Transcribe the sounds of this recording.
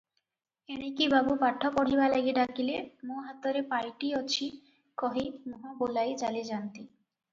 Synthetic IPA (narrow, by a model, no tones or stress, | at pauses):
eɽ̃ekibabupaʈʰːopɔɽ̤ibalɛɡeɖakilemoɦat̪ːɔɾepajʈiɔt͡ɕʰi | kɔɦimoɦobolajd͡ʑaled͡ʑant̪i